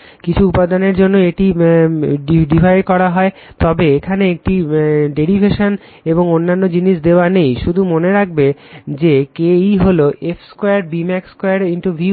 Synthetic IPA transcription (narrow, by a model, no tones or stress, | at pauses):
kit͡ɕʰuupad̪aneɾd͡ʑonːoeʈi | ɖibʱajɖkɔɾaɦɔe | t̪ɔbeekʰaneek̚ʈiɖeɾibʱeʃon | eboŋonːanːod͡ʑiniʃd̪eoanejʃud̪ʱumoneɾak̚bed͡ʑekejɦoloʔefskojaɾbimɛkskojaɾiɳʈoɾbʱjiu